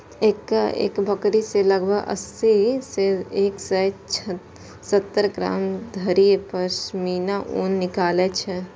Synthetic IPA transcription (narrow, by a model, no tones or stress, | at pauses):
eːkḛːkbʱəkɾiseləɡbʱəɡə̰siseeːksɛt͡ʃʰ | sət̪ːəɾɡɾa̰ːmd̪ʱəɾijepəɾsmiːnaʔuːnːɪkaːlet͡ʃʰɛ